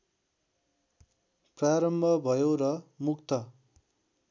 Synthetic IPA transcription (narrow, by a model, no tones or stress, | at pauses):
praɾʌmbʱʌbʱʌjorʌmukt̪ʌ